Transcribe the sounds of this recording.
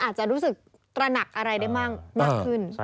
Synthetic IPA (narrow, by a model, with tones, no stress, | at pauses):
ʔaː˨˩t̪̚t͡ɕa˨˩ʔɾuː˦˥sɯ˨˩k̚ | t̪ɾa˧na˨˩k̚ʔa˧ɾa˧jda˥˩jmaː˥˩k̚maː˥˩kʰɯ˧˥˩n